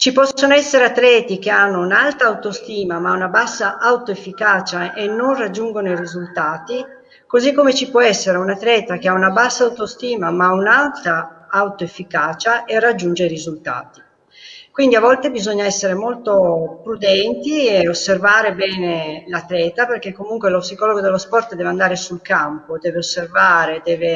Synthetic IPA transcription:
t͡ʃipɔsːonoɛsːeɾeat̪ːɾɛːt̪ik̟eanːounalt̪aːwt̪ost̪iːmamaunabasːaʔawt̪oefːikaːt͡ʃaʔenːonrad͡ʒːuŋɡonoirizult̪aːt̪i | kozikːomet͡ʃipwɔɛsːeɾeunat̪ɾɛːt̪ak̟eaunabasːaːwt̪ost̪iːmamaunalt̪aawt̪oefːikaːt͡ʃaʔerːad͡ʒːund͡ʒeɾirizult̪a̰ːt̪i̥ | kwind̪iavɔlt̪ebizɔɲːaɛsːeɾemolt̪opɾud̪ɛnt̪ieosːervaːɾebɛːnelat̪lɛːt̪aperk̟ekːomuŋkwelopsikɔloɡod̪elːospɔrt̪d̪ɛːveand̪aːɾesulkampod̪ɛːveosːervaːɾed̪ɛːve

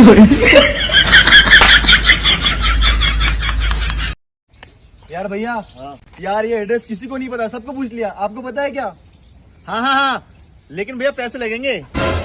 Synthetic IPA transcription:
ɦoːi | jaːɾbʱɐjaɦãː | jaːɾjeɐɖɾɛskɪsikonɐɦĩpɐt̪asɐb̚kop̬uːt͡ʃʰlijaʔaːp̚kopɐt̪aekjaː | hãːɦãːɦãː | leːkɪnbʱɐjapɛːselɐɡẽːŋɡeː

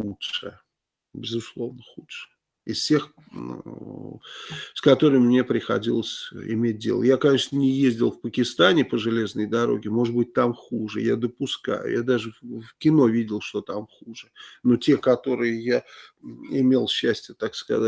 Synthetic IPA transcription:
lˠuʂɨ | bʲɪzʊslˠo̞vnəxutʂɨ̥ | ɪssʲe̞x | skɐt̪o̞ɾɨmʲmːnʲe̞pɾʲɪxɐ̰dʲilˠəsʲɪ̰mʲet̚ʲdʲe̞lˠə̰jakɐnʲe̞ʂnənʲɪjezʲdʲɪlˠfpəkʲɪst̪anʲɪpəʐɨlʲe̞znəjd̪ɐɾo̞̰ɡʲɪmo̞ʐɨd̪̚bɨt̚ʲt̪amxuʐɨ̰jad̪əpʊska̰jʊ̰jad̪aʐɨfkʲɪno̞vʲidʲɪlˠʂt̪o̞t̪amxuʐɨno̞tʲe̞kɐt̪o̞ɾɨjɪja | ɪmʲelˠɕːæsʲtʲɪjət̪akskɐ̰za

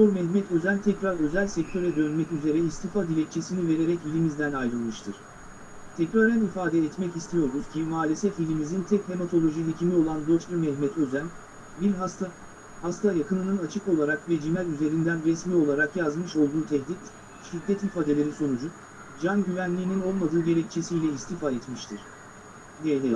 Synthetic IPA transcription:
soɾmɛhmɛt̪ʰø̞zænt̪ʰɛcɾaɾø̞zælʲsɛc̚t̪ʰø̞ɾɛd̪ø̞nmɛcyze̞ɾɛist̪ʰifad̪ilʲɛc̚t͡ʃʰe̞sinive̞ɾe̞ɾɛcbilʲimizd̪ænajɾɯlˠmɯʃt̪ʰɯɾ̥ | t̪ʰɛcɾaɾɛnifaːd̪ɛːt̪mɛcist̪ʰijo̞ɾuz̥cʰimaːlʲesɛfilʲimizint̪ʰɛkhe̞mat̪ʰo̞lʲˠo̞ʒilʲicimio̞lˠand̪ot͡ʃlʲumɛhmɛt̪ʰø̞zæn | biɾast̪a | hast̪ʰajakɯnɯnɯnat͡ʃʰɯko̞lˠaɾakvɛd͡ʒimælʲyze̞ɾind̪ænɾɛsmiːo̞lˠaɾakjazmɯʃo̞lˠd̪uːt̪ʰɛçlʲit̪ | ʃid̪ːɛt̪ifaːd̪e̞lʲeɾiso̞nud͡ʒu | d͡ʒanɟyvænlʲiːnino̞lˠmad̪ɯːɟe̞lʲɛc̚t͡ʃʰe̞sijlʲɛist̪ifaɛt̪miʃt̪ʰɯɾ̥ | nijɛnɛ

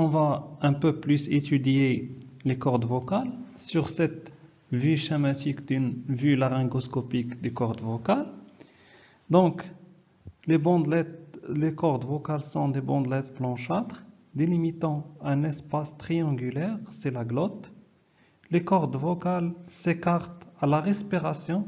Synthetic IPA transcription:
ɔ̃vaɛ̃pøplyset̪yd̪jelekɔʁd̪vɔkalsyʁsɛt̪ | vyʃemat̪ikd̪ynvylaʁɛ̃ɡɔskɔpikd̪ykɔʁd̪vɔkal | d̪ɔ̃k | lebɑ̃d̪lɛlekɔʁd̪vɔkalsɔ̃d̪ebɑ̃d̪lɛt̪plɑ̃ʃat̪χ | d̪elimit̪ɑ̃ɛ̃nɛspast̪χiɑ̃ɡylɛːʁsɛlaɡlɔt̪ | lekɔʁd̪vɔkalsekaʁt̪alaʁɛspiʁasjɔ̃

